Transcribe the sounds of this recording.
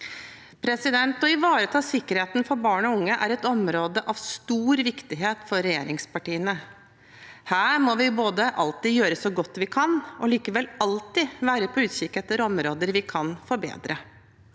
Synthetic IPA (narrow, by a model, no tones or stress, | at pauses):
pʰɾɛsɪd̪ɛnt̪ɔɪʋɑːɾət̪ʰɑːsɪkːəɾheːt̪nfɔɾbɑːɳɔʊŋːəʔæɾɛt̪ɔmɾoːd̪əʔɑʋst̪uːɾʋɪkt̪ɪɦeːt̪fɔɾɾɛjeːɾɪŋspɑʈiːənə | hæːɾmɔʋɪboːd̪əʔɑlt̪ɪjøːɾəsɔɡɔt̪ːʋɪkʰɑnɔliːkəʋɛlɑlt̪ɪʋæːɾəpʰɔʉːt̪ʃɪkɛt̪ːəɾɔmɾoːd̪əɾʋɪkʰɑnfɔɾbḛːd̪ɾə